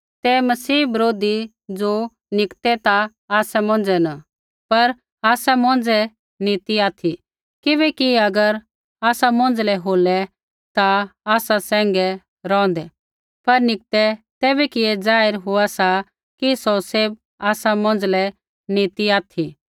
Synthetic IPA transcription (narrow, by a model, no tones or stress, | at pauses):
t̪ɛmɐsiːbɐɾoːd̪i | d͡zoː | nɪkt̪ɛt̪a | aːsɛmɔ̃ːn̆d͡zɛna | pɐɾ | aːsamɔ̃ːn̆d͡zɛ | niːt̪iaːt̪ʰi | kɪbɛkiɐɡəɾ | aːsamɔ̃ːnd͡zlɛɦoːlɛ | t̪aaːsasɛ̃ːŋɡɛ | ɾɔ̃ːnd̪ɛ | pɐɾnɪk̚t̪ɛt̪ɛːbɛkɪed͡zaːɪɾɦʊasa | kisɔseːb̚ | aːsamɔ̃ːnd͡zlɛ | niːt̪iaːt̪ʰi